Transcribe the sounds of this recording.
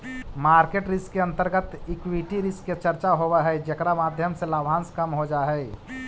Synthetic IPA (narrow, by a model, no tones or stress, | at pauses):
maːɾkeːʈɾɪskːeə̃nt̪əɾɡət̪ɪkwiʈiɾɪskːet͡ʃəɾt͡ʃaɦobɛɦɛd͡ʒekɾamaːd̪ʱjəmselaːbʱãːnskəmɦod͡ʒaɦɛ